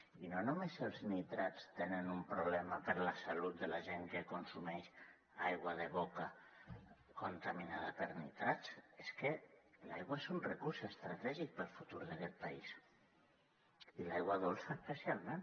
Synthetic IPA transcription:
inonumesəlˠznit̪ɾat͡st̪enənumpɾuβlɛməpəɾləsalut̪̚d̪əlaʒeŋkəkonsumɛʃ | ajɣwaðəβoka | kont̪aminaðəpəɾnit̪ɾat͡seskəla̰jɣwaesunrəkuɾsest̪ɾat̪ɛʒik̚pəlˠfut̪uɾðakɛt̪̚pais | ilajɣwaðolˠsəspəsialˠmen

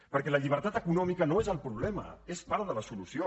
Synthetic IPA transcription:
pəɾkɛləʎiβ̞əɾt̪at̪əkunɔmikənoezəlˠpɾuβlɛmə̰espaɾðələsulusio

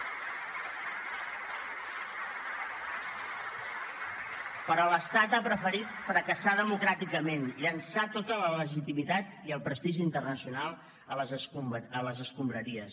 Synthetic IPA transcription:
pəɾɔləst̪at̪apɾəfəɾit̪fɾəkəsaðəmukɾat̪ikəmenʎənsat̪ot̪ələləʒit̪imit̪at̪iəlˠpɾəst̪iʒiːnt̪ərnəsiunalˠ | əlzələzəskumbɾəɾiəs

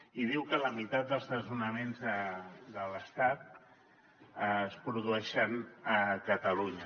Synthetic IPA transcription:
iðiwkələmit̪at̪̚d̪əlˠzðəzunəmenzðəd̪ələst̪at̪̚ | əspɾuðuɛʃənəkət̪əluɲə

